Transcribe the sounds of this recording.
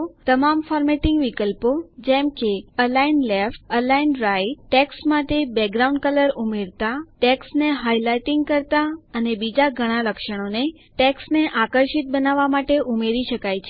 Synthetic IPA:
t̪əmamfɔɾmeʈɪŋɡʋikəlpod͡ʒemkeəlainlefʈəlainɾaiʈːɛksmaʈebɛɡɾaũɳɖkələɾumeɾt̪aʈɛksneɦajlaiʈĩŋɡkəɾt̪aənebid͡ʒaɡʱəɽ̃ãləkʃəɽ̃one | ʈeksneʔakəɾʃit̪̚bənaʋamaʈeʔumeɾiʃəkajt͡ʃʰe

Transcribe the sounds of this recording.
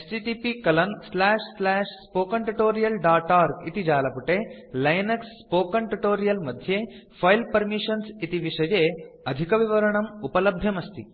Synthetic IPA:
esʈiʈipikɐlɐnslaːʂslaːʂspoːkɐɳʈuʈoːɾijɐlɖaːʈaːɾkit̪id͡ʒaːlɐpuʈeːlɐjnɐksːpoːkɐɳʈuʈoːɾijɐlmɐd̪ʱjeːpʰɐjlpɐɾmiʂɐnsit̪iʋiʂɐjeːɐd̪ʱikɐʋiʋɐɾɐɳɐmupɐlɐbʱjɐmɐst̪i

